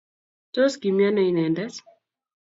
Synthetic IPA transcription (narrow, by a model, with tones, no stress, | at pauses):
to˦sɡi˨mja˦nɔ˦i˦nɛ˨ndɛ˦s